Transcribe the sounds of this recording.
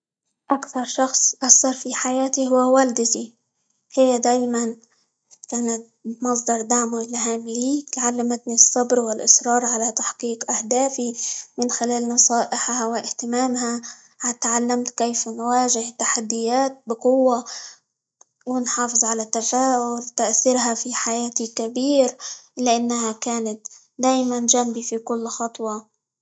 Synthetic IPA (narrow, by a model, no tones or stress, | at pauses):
ʔakθɑɾˤʃɑxsˤʔɑsːɑɾˤfiħajaːt̪ihʊwːawald̪ɪt̪i | hɪjːad̪aːjman | kaːnat̪̚ | mɑs̬ˤd̪ɑɾˤd̪aʕmʊlɦaːmɪliːt̪ʕalːamat̪nisˤːɑbɾwɪlʔɪsɾˤɑːɾˤʕalat̪aħqiːqʔahd̪aːfimɪnxɪlaːlnɑsˤɑːʔɪħhawɪʔɪht̪ɪmaːmha | ʕat̪ʕalːamt̪keːfnwaːʒɪhɪt̪ːaħad̪ːɪjaːt̪̚bɪqʊwːa | wɪnħɑːfɨzˤʕalat̪ːafaːʔʕʊlt̪aʔθiɾɦafiħajaːt̪ikabiːɾlɪʔanːaɦakaːnat̪ | d̪aːjmand͡ʒambifikʊlːxɑt̪ˤwɑ